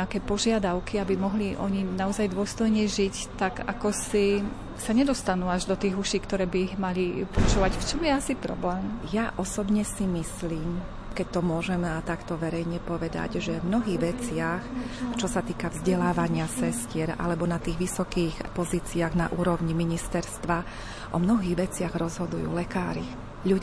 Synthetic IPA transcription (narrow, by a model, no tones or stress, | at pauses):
akɛːpɔʒɪad̪aʊkiabimɔɦliʔɔ̰ɲinaɔzajd̪ʊɔst̪ɔjɲɛʒic | t̪aɡa̰kɔsi | saɲɛd̪ɔst̪anuːaʒd̪ɔt̪iːɣuʃiːkt̪ɔɾɛːbiiɣmalipɔt͡ʃuːʋacft͡ʃɔmjɛasipɾɔ̰blɛːmjaʔɔsɔbɲɛsimisliːm | kɛc̚t̪ɔmʊɔʒɛmɛat̪akt̪ɔʋɛɾɛjɲɛpɔʋɛd̪a̰ɟʒɛmnɔɦiːɣʋɛt͡sɪaxt͡ʃɔsat̪iːkavzɟɛlaːʋaɲɪasɛscɪɛɾa̰lɛbɔnat̪iːɣʋisɔkiːxpɔziːt͡siaɣna̰ʔuːɾɔʊɲimiɲist̪ɛɾst̪ʋa | ʔɔ̰mnɔɦiːɣʋɛt͡sɪaɣɾɔzɦɔd̪ujṵːlɛkaːɾi | ʎu